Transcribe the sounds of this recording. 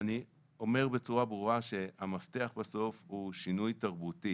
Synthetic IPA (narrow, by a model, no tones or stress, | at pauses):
ani | o̞me̞ʁbe̞t͡suʁabʁuʁaʃe̞hamafte̞aχbaso̞fhuʃinujtaʁbuti